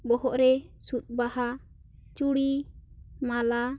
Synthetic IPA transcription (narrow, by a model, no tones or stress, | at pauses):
bɔɦɔʔɾɛsut̪̚baha | t͡ʃuɽi | mala